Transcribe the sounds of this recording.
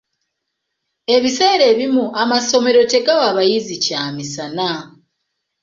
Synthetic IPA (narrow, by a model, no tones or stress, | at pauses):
e̞βise̞ːɾe̞ːβimuʔamaso̞me̞ɾo̞te̞ɡawaβajizicaːmisana